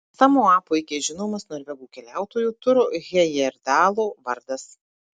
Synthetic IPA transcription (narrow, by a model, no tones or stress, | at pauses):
sɑːmoːɑːpoːɪkʲeʒʲɪnoːmɐsnɔɐɾʲʋʲɛɡuːkʲɛlʲæˑʊt̪oːjuːt̪ʊɾʊɣʲɛjɛɾd̪ɑːlˠoːʋɐɾd̪ɐs